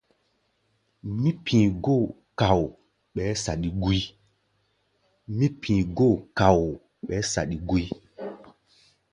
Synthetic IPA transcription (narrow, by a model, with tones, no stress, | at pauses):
mĩ˦pʰĩ˨ɡo˦˨ | ka˨w | ɓɛ˨˦sa˨ɗi˨ɡu˦i˦ | mĩ˦pʰĩː˨ɡo˦˨ka˨w | ɓɛ˨˦sa̰˨ɗi˨ɡu˦i˦